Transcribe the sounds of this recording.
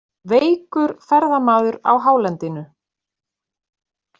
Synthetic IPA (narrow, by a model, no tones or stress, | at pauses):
veːjkʏɾ̥fɛɾðamaːðʏɾa̰wɦaːwlɛnt̪ɪnʏ